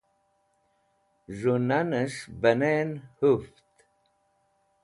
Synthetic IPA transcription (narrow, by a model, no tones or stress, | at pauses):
ʐunanəʂbɐnenhuft̪